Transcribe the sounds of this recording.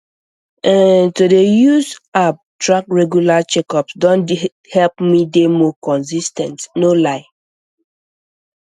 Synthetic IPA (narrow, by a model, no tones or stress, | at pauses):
ɛ̃ntodejuzap̚tɹakɹɛɡjulat͡ʃɛkɔpsdɔ̃n | hɛlpmidemɔkɔ̃nsistɛ̃ntnolaɪ